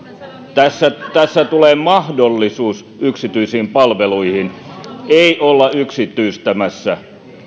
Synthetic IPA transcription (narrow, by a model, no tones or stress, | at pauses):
t̪æsːæt̪æsːæt̪uleːmɑhdolːisuːs | yksit̪yisiːmpɑlʋeluihin | eiʔolːɑyksit̪ːˑyist̪æmæsːæ